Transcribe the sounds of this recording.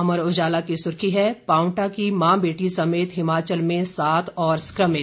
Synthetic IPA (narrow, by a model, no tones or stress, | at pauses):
ɐməɾʊd͡ʒaːlakisʊɾkʰiɦɛpaːʊ̃ʈakimãːbeːʈisɐmeːt̪ɦɪmaːt͡ʃəlmẽsaːt̪ʰɔːɾskɾəmɪ